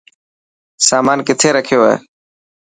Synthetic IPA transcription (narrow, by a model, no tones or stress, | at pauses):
saːmaːnkɪt̪ʰeːɾəkʰɪjoːɦḛː